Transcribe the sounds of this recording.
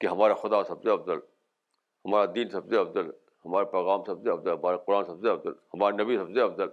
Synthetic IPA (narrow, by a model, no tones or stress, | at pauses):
keɦɐmaːɾexʊd̪asɐbzeɐfzəl | hɐmaːɾad̪iːnsɐbzeɐfzəl | hɐmaːɾepɛːɣaːmsɐbzeɐfzəɦɐmaːɾeqʊɾaːnsɐbzeɐbzəlhɐmaːɾenɐbisɐbzeɐfzəl